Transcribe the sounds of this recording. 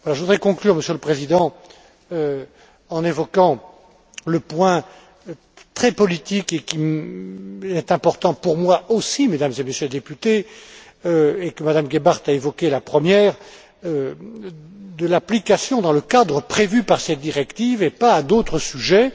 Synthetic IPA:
vwalaʒəvud̪ʁɛkɔ̃klyʁməsjøləpχezid̪ɑ̃ | ø | ɑ̃nevɔkɑ̃ | ləpwɛ̃ | t̪χɛpɔlit̪ikekim | ɛt̪ɛ̃pɔʁt̪ɑ̃puʁmwaʔosimed̪amzemesjøled̪epyt̪e | øekəmad̪amɡʲebaʁt̪aevɔkʲelapχəmjɛːʁ | d̪əlaplikasjɔ̃d̪ɑ̃ləkad̪ʁəpχevypaʁsɛt̪̚d̪iʁɛkt̪ivepaːd̪ot̪χəsyʒɛ

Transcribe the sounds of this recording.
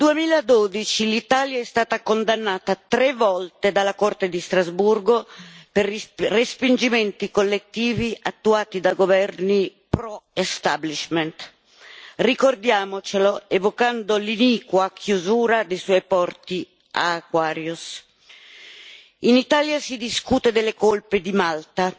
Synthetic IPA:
d̪uemiːlad̪oːd̪it͡ʃilit̪aːljaɛst̪aːt̪akond̪anːaːt̪at̪ɾevːɔlt̪ed̪alakɔrt̪ed̪ist̪ɾazburɡoperrːespind͡ʒimɛnt̪ikolːet̪ːiːviʔat̪ːuaːt̪id̪aɡovɛrni | pɾɔest̪abliʃment̪ | rikord̪jaːmot͡ʃeloevokand̪oliniːkwakjuzuːɾad̪ejswɔjpɔrt̪i | a̰kwaːɾjus | init̪aːljasid̪iskuːt̪ed̪elːekolped̪imalt̪a

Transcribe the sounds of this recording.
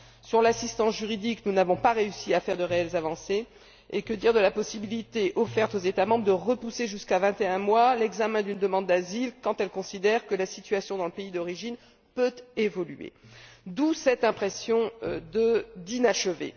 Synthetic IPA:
syʁlasist̪ɑ̃sʒyʁid̪iknunavɔ̃paʁeysiafɛʁd̪əʁeɛlzavɑ̃se | ekəd̪iʁd̪əlapɔsibilit̪eʔɔfɛʁt̪ozet̪amɑ̃bʁd̪əʁəpuseʒyskavɛ̃t̪eɛ̃mwalɛɡzamɛ̃d̪ynd̪əmɑ̃d̪ːazilkɑ̃t̪ɛlkɔ̃sid̪ɛʁkəlasit̪ɥasjɔ̃d̪ɑ̃ləpeid̪ɔʁiʒin | pøt̪evɔlyḛd̪usɛt̪ɛ̃pχesjɔ̃d̪əd̪inaʃəvḛ

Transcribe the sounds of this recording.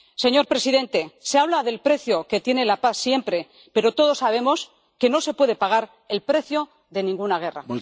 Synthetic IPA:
se̞ɲo̞ɾpɾe̞siðe̞nt̪e̞seaβ̞laðe̞lpɾe̞θjo̞ke̞t̪je̞ne̞lapaθsje̞mpɾe̞ | peɾo̞t̪o̞ð̞o̞sːaβ̞e̞mo̞s | ke̞no̞se̞pwe̞ðe̞paɣ̞aɾ | e̞lpɾe̞θjo̞ | ðe̞nĩŋɡunaɣ̞e̞ra̰

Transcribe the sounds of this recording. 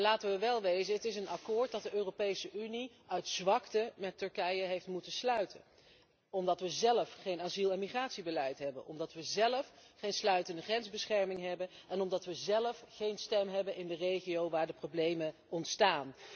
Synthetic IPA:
laːtəʋəʋɛlˠʋejzənɦətɪsənɑkʊːɹt̚dɑt̚dəʔøːropejsəʔyni | œɥtz̥ʋɑktəmɛtɵɹkɛjəɦejftmutəslœɥtʰə | ɔmdɑtʋəzɛləfχejnazilˠɛnmiχraːtsibəlɛjtɦɛbə̰nʔɔ̰mdɑtʋəzɛləfχejnslœɥtəndəχrɛnzbəsχɛɹmɪŋɦɛbənɛnɔmdɑtʋəzɛləfχejnstɛmɦɛbənʔɪndərejχijowʋaːɹdəprowblejmə | ɔntstaːn

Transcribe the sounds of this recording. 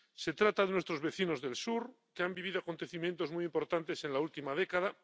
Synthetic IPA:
se̞t̪ɾat̪aðenwe̞st̪ɾo̞zβe̞θino̞zðe̞lsuɾ | keambiβ̞iðo̞ako̞nt̪e̞θimjent̪o̞zmujimpo̞ɾt̪ant̪e̞se̞nlault̪imað̞ekað̞a

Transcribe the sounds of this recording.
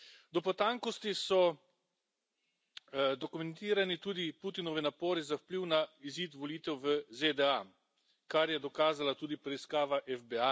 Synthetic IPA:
d̪ɔpɔt̪aŋkɔst̪isɔ | d̪ɔkumɛnt̪iːɾanit̪uːd̪ipuːt̪inɔʋinapɔːɾizawpliwnaiziːt̪ʋɔliːt̪ɛwʋəzed̪ɛa | kaɾjɛd̪ɔkaːzalat̪uːd̪ipɾɛiskaːʋaʔɛfbɛa

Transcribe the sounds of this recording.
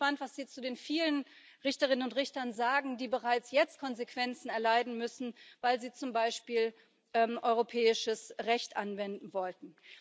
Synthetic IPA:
panntv̥asz̥iːt͡sudeːnfiːlən | ʁɪçtɐʁ̞ɪnənʊntʁɪçtɐnzaːɡŋ̩diːbəʁaɪt͡sjɛt͡st̚kʰɔnzekv̥ɛnt͡sn̩ɛɐlaɪdn̩mʏsn̩vaɪlziːt͡sʊmbaɪʃpiːl | ʔɛːmʔɔʏʁopʰɛːɪʃəsʁɛçtʔanvɛndn̩vɔltn̩

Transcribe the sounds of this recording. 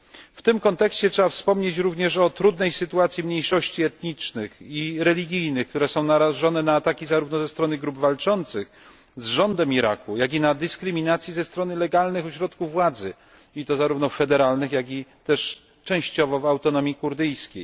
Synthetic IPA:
ft̪ɘmkɔnt̪ɛkɕt͡ɕɛtʂɛbafspɔmɲet͡ɕɾuvɲɛʂɔt̪ɾud̪nɛjsɘt̪uat̪sʲjimɲejʂɔɕt͡ɕiɛt̪ɲit͡ʂnɘxiɾɛlʲiɡʲijnɘxk̚t̪uɾɛsɔ̃w̃naɾaʐɔnɛnaːt̪akʲizaɾuvnɔzɛst̪ɾɔnɘɡɾubvalt͡ʂɔnt̪sɘx | zʐɔnd̪ɛmiɾa̰kujaɡʲinad̪ɘskɾɘmʲinat̪sʲjizɛst̪ɾɔnɘlɛɡalnɘxɔɕɾɔt̪kuvːwad̪zɘ | it̪ɔzaɾuvnɔffɛd̪ɛɾalnɘxjaɡʲit̪ɛʂ | t͡ʂɛ̃w̃ɕt͡ɕɔvɔvawt̪ɔnɔmʲjikuɾd̪ɘjskʲḛj

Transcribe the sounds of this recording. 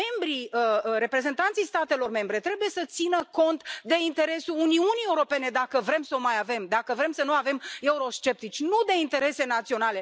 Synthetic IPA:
e̞mbɾiəɾe̞pɾe̞ze̞nt̪ant̪sijst̪at̪e̞lo̞rme̞mbɾe̞t̪ɾe̞buje̞sət̪sinəko̞nt̪d̪e̞int̪e̞ɾe̞suluniunijeuɾo̞pe̞ne̞d̪akəvɾe̞msəomajave̞md̪akəvɾe̞msənuave̞me̞uɾo̞ʃt͡ʃe̞p̚t̪it͡ʃʲnud̪e̞int̪e̞ɾe̞se̞nat̪sio̞nale̞

